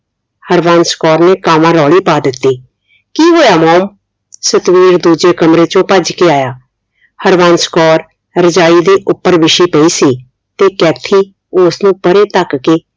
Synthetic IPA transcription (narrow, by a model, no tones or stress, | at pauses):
həɾʋaːnskɔːɾneːkaːʋãːɾɔːɽiːpaːd̪ɪt̪ːiː | kiːɦoːjaːmɔːm | sət̪ʋiːɾd̪uːd͡ʒeːkəmɾeːt͡ʃõːpəd͡ʒkeaːjaː | həɾʋãːnskɔːɾ | ɾəd͡ʒaːiːd̪iːʔʊpːəɾʋɪʃiːpəiːsiː | t̪eːkɛːt̪ʰiː | ʊsnũːpəɾeːt̪əkkeː